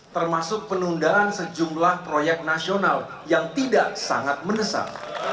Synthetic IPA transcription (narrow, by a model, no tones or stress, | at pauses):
t̪ərmasʊk̚pənundaansəd͡ʒumlahpɾojɛk̚t̪̚nasional | jaŋt̪idaʔsa̰ŋat̪̚mənəsa̰p̚